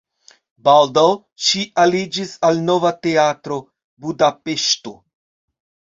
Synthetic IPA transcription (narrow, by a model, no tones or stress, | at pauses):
baldaw | ʃiʔalid͡ʒisalno̞vate̞atɾo̞ | budape̞ʃto